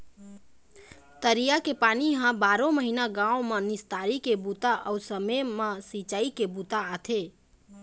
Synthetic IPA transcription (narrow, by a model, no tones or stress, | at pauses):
t̪əɾijakepaniɦãbaɾõməɦinaɡãõmenist̪aɾikebut̪aʔəusəmemesit͡ʃaikebut̪aːt̪ʰe